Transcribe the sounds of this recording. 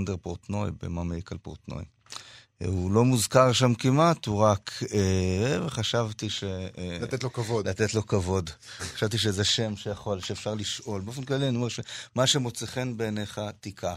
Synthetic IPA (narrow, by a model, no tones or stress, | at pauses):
ndeʁpoʁt̪no̞jbḛmameikalpo̰ʁt̪no̰j | ulo̞muzkaʁʃamkimat̪huʁakeveχaʃavt̪iʃeetlokavodlat̪et̪lo̞kavo̞dχḁʃavt̪iʃ̬ezeʃe̞mʃejaχo̞lʃeːfʃaʁliʃʔo̞lbeofenklalianiomeʃe̞maʃemo̞t͡seχenbeːneχat̪ikʰa